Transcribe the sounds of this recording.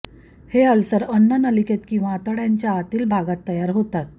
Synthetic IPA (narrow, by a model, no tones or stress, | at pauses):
heəlsəɾənːənəliket̪kĩw̃ʋaːt̪əɽjaɲt͡ɕjaːt̪iːlbʱaɡat̪ːəjaɾɦot̪at̪̚